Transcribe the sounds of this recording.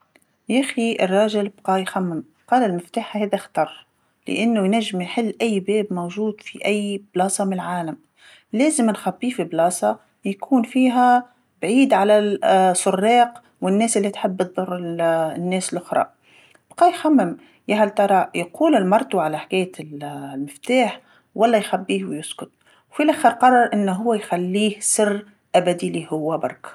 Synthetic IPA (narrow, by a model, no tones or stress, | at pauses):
jæxiɪrˤːɑːʒɪlbqɑːjxæmːɪm | qɑːlɪlmɪft̪aːħahæːðæxt̪ɑrˤ | lɪ̰ʔanːujnæʒːɪmjħɪlːʔæjːbɛːbmowʒuːd̪fiʔæjːblɑːsˤɑmɪnlʕaːlam | læːzɪmnxabːifiblɑːsˤɑ | jkʰuːnfiːɦæ | bʕiːd̪ʕalæsʊrˤːɑːq | wɪnːɛːsʔɪlːit̪ħɪbːt̪ðˤʊrˤːnːɛːsɪlʔʊxɾˤɑ̰ | b̥qɑːjxamːɪm | jæɦælt̪ˤɑɾˤɑjquːlɪlmɑɾˤt̪ˤuʕalaħkæːjːælmɪft̪aːħ | wʔɑlːɑjxabːiːhwjʊskʊt̪̚ | wfilʔæːxəɾqɑrˤːɑɾˤʔɪnːɦʊwːæjxælːiːhsɪrː | ʔabæd̪ilihʊwːabɑ̰ɾˤk